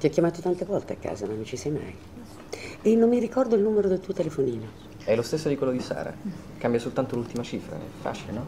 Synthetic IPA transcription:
t̪iɔkʲːjamaːt̪ot̪ant̪evɔlt̪eakːa̰ːzanõnt͡ʃisɛjma̰j | enːomːiɾikɔrd̪oilnuːmeɾod̪elt̪uːot̪elefoniːno | ɛlost̪esːod̪ikwelːod̪isa̰ːɾa̰ | kambjasolt̪ant̪olult̪imat͡ʃifɾa̰ɛ̰fːa̰ːt͡ʃilenɔ

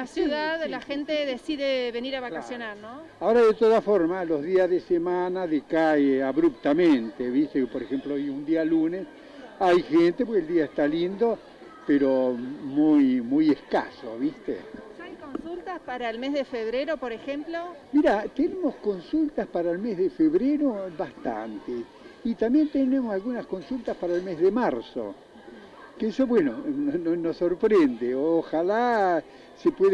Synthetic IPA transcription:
lasjuðaðlaxent̪eðesiðeβeniɾaβakasjonaɾnoaoɾaðet̪oðafoɾmalo̞zðiazðesemanaðekaeaβɾup̚t̪amẽnt̪eβist̪epo̞ɾexemploojund̪ialunes | ajxent̪epokeld̪iaest̪alind̪o̞ | peɾomujmujeska̰soβist̪ḛajkonsult̪aspaɾaelmezðefeβ̞ɾeɾopoɾexemplomiɾat̪enemo̞sko̞nsult̪aspaɾaelmezðefeβɾeɾoβast̪a̰nt̪e | it̪ambje̞nt̪enemosalɣunasko̞nsult̪aspaɾaelmezðemaɾso̰ | keesoβwenonoonosːo̞ɾpɾend̪eoxala | sepweð

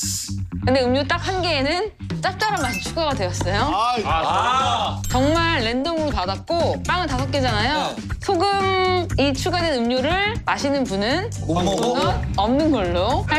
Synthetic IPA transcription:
kɯnde̞ɯmɲot͈ak̚hanɡe̞ːnɯn | t͡ɕ͈ap̚t͡ɕ͈aɾamːaɕʰit͡ɕʰuɡaɡadwejʌs͈ʌjo | t͡ɕʌŋmaɭːe̞ndoŋɯɾopadak̚k͈op͈aŋɯɭtasʰak͈̚id͡ʑanajo | sʰoɡɯmit͡ɕʰuɡadenɯmɲoɾɯɭmaɕʰinɯnpunɯn | ʌmnɯnɡʌɭːoa

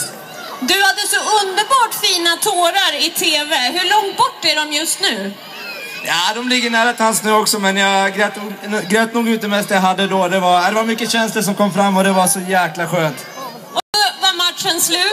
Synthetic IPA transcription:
d̪ɵhad̪ːəsɔɵnd̪əɾbɑːʈfiːnat̪ʰoːɾaɾɪt̪ʰeːvɛɦɵɭɔŋt̪̚bɔʈːæɖɔmjɵst̪nʉ̟ː | jaːd̪ɔmlɪɡːəɳæːɾat̪ʰɪansnʉ̟ːɔksɔmɛnjaɡɾɛt̪ːɡɾøːt̪̚nuːɡʉːt̪̚d̪ɛmɛst̪ɛjaɦad̪ːəd̪ɔd̪ɛvaad̪ɛvaɾmʏkːəɕɛnsləʂ̬ɔmkʰɔmːfɾamːɔd̪ɛvasɔjæːklaɧøːnt̪ | ɔdɔvaɾmat̪ʂənslʉ̟ː

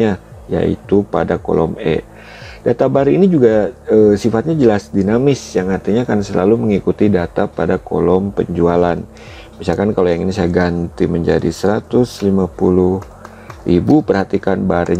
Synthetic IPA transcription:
aja̰ḭt̪upa̰dako̰lʔɔ̰mɛ̰ | dat̪abaɾiinid͡ʒuɡaəsifat̪̚ɲad͡ʒəlasdinamɪsjaŋart̪iɲakansəla̰luməŋikut̪idat̪apadako̰lɔmpə̰ɲd͡ʒualan | misalkankalojaŋinis̬ajaɡant̪iməɲd͡ʒa̰dḭsəɾat̪ʊslimapulʊh | ribupərhat̪ikanbaɾi

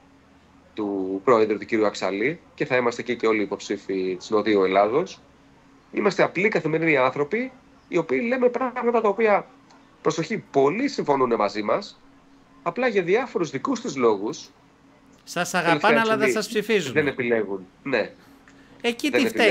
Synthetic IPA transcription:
t̪upɾo̞e̞ðɾut̪uciɾjuɐksɐ̰lice̞θɐimɐst̪ecice̞o̞liːpo̞psifit̪i̥sno̞ðiue̞lɐðo̞s | imɐst̪e̞ɐplikɐθime̞ɾiniɐnθɾo̞piː | o̞piːle̞me̞pɾɐɣmɐt̪ɐt̪ɐo̞piɐ | pɾo̞so̞çipo̞lisiɱfo̞nune̞mɐzimɐs | ɐplɐʝɐðiɐfo̞ɾuzðikust̪izlo̞ɣus | sɐsɐɣeɐlefɐɐɐɐðɐisɐspsifizðenepile̞ɣun | ne̞ | eciðenepi

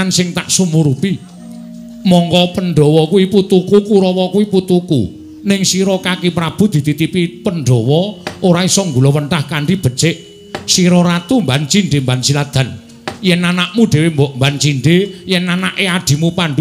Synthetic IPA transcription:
ansɪŋt̪aʔsumuɾupi | mɔŋkɔpənɖɔwɔkuwiput̪ukukuɾɔwɔkuwiput̪ukṵ | nɪŋsiɾɔkakipɾab̥ṳd̪̥i̤t̪it̪ipipənɖɔwɔoɾaisɔŋɡulɔwənʈ̪ahkaɳɖib̥ə̤̥t͡ʃeʔ | siɾɔɾat̪umbant͡ʃiɳɖembansilad̪̥a̤n | jɛnanaʔmuɖ̥e̤wembɔʔmbant͡ʃiɳɖejɛnːanaʔead̥i̤mupaɳɖu

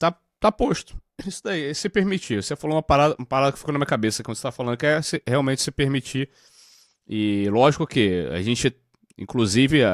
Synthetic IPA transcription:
t̪a | t̪apoʃt̪ʊ̥isʊd̪aiɛsɪpeɾmit͡ʃiosefaloũmɐpaɾad̪ɐũmɐpaɾad̪ɐkɪ̥fikonɐmĩɐkabesɐkwɐ̃d̪set̪afalɐ̃nd̪ʊkɪɛsɪheawmẽt͡ʃɪ̥sɪpeɾmit͡ʃi | ɪlɔʒikʊkɪa̰ʒẽt͡ʃɪ | ḭ̃kluzivɪ

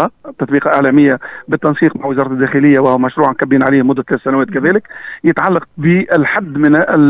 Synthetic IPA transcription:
ɑt̪ːɑt̪ˤbiːqɑʔɪʕlɛːmɪjːabɪt̪ːɑnsiːqmaʕwɪzɑːɾˤɑt̪d̪ːæːxɪlɪjːawæhwmæʃɾuːʕankæbːiːnʕaliːhmʊd̪ːæt̪læːθsænæwæːt̪kæðæːlɪkjɪt̪ʕalːɑq̚bɪʔɪlħad̪ːmɪnɪ

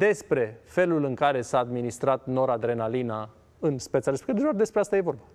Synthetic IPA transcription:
d̪e̞spɾe̞fe̞lulɨŋkaɾe̞saːd̪minist̪ɾat̪no̞ɾad̪ɾe̞nalina | ɨnspet̪saɾespekt̪ɾd̪eʒard̪espɾeast̪aje̞vo̞rba

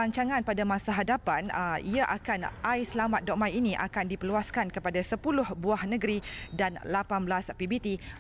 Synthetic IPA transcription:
aɲt͡ʃaŋãnpadamãsaɦadapanəiaʔakanʔajsəlamat̪̚dɔʔmajinĩʔa̰kandipəluaskankəpadasəpulʊhbuahnə̃ɡəɾidanlapanblaspibit̪i

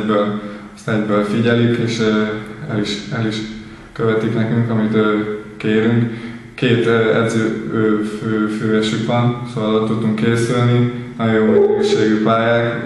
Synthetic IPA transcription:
bøːlost̪ɛɟbøːlfiɟɛlikeːʃ | ɛliʃɛliʃ | køvɛt̪iknɛkyŋkɒmit̪ːkeːɾyŋk | kːeːt̪ɛ̰d̪zøːøːføːføːɛʃykʋɒnsolɒt̪ːut̪ːuŋkːeːsylninɒomɛɛɡɡeʃːeːɡypaːjaːk

